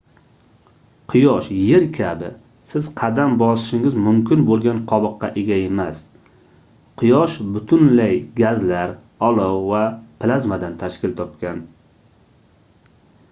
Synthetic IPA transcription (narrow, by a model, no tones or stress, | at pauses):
qʰɨjɒʃje̞ɾkʲʰabɪ̰ | sɪz̥qʰɑd̪ambɒsɪ̥ʃɪŋɪzmʊmkʲɪnbolˠɡʲanqʰɒbɨqːɑ̰ʔeɡʲaemas | qʰɨjɒʃbʊt̪ʰʊnlajɡʲazlaɾ | ɒlˠɒwvapʰɪlazmad̪ant̪ʰaʃkʲɪlt̪ʰɒp̚kʲan